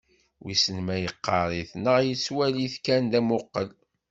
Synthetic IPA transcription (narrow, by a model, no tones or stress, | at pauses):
wisənmæjəqːɑɾˤiθnəʁjəswæliθkænd̪æmʊqːəl